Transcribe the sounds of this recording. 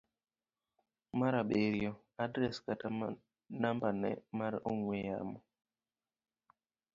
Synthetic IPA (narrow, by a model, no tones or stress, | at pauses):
maɾaɓeɾjɔ | adɾɛskatam | nambanɛ̰maɾoŋweja̰mɔ